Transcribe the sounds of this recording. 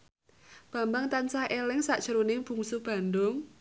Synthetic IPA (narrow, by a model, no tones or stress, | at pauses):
b̥ä̤mbaŋt̪ansahʔelɪŋsaʔd̥ʒ̥ə̤ɾonɪŋb̥ṳŋsub̥a̤ndʊŋ